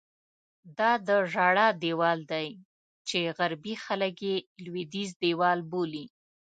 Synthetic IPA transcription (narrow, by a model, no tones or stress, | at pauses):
d̪ɑd̪əʐɑɽɑd̪ewɑld̪aj | t͡ʃeɣaɾbixaləkjelwid̪izd̪ewɑlboli